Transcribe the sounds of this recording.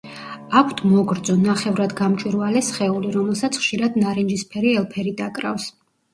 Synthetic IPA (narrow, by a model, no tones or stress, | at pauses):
akʷʰt̪ʰmɔɡɾd̪zɔnaχɛvɾad̪ɡamt͡ʃʼwiɾvalɛsχɛuliɾɔmɛlˠsat̪sʰχʃiɾad̪naɾɛnd͡ʒispʰɛɾiɛlˠpʰɛɾid̪akʼɾa̰fs